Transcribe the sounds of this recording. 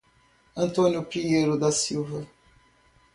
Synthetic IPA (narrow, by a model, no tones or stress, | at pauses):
ɐ̃nt̪õnjʊpɾiejɾʊd̪ɐsiwvɐ